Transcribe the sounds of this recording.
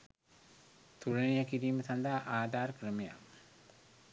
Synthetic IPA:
t̪uɾɐnijəkiɾiːməsand̪aʔaːd̪aːɾəkɾəmeja̰m

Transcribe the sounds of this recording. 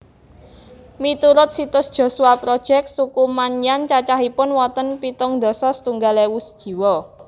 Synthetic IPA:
mit̪uɾʊt̪̚sit̪ʊsd̥ʒ̥o̤suwapɾod̥ʒ̥ɛk̚t̪sukumanjant͡ʃat͡ʃaɦipʊnwɔt̪ənpit̪ʊŋd̪̥ɔ̤sɔsə̥t̪uŋɡalewusd̥ʒ̥i̤wɔ

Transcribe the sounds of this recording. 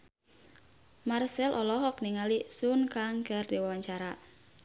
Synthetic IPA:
marsɛlʔɔlɔɦɔk̚niŋalisʊnkaŋkərdiwawaɲt͡ʃaɾa

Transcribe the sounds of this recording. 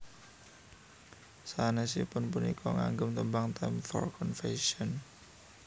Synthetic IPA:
sanɛsḭpʊnpunikʰɔŋaŋɡəmt̪əmbaŋt̪amfɔ̰rkɔnfeʃiɔn

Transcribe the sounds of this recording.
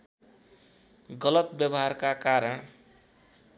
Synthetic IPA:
ɡʌlʌt̪bjʌbʌɦarkakaɾʌɽ̃

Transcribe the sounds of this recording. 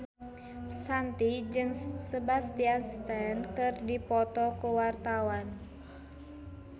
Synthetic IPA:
sant̪id͡ʒɨŋsəbast̪ianst̪ɛnkɨrdipɔt̪ɔkuwart̪awan

